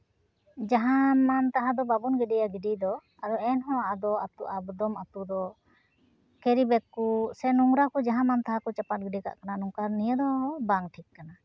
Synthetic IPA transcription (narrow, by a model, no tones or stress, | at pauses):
d͡ʒaɦamant̪aɦad̪ɔbabunɡɛɖɛjaɡiɖid̪ɔ | aɾuɛnɦɔ̃ad̪ɔat̪uʔabd̪ɔmat̪ud̪ɔ | kɛɾibɛkːusɛnuŋɾakɔd͡ʒaɦãmant̪aɦakɔt͡ʃapat̪̚ɡɛɖika̰ʔkananuŋkaɾnijəd̪ɔbaŋʈʰikːana